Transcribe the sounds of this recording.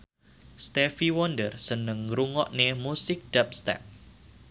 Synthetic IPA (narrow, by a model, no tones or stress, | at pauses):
st̪efiwɔndərsənəŋruŋɔʔnemusɪk̚d̥ap̚st̪ɛ̰p̚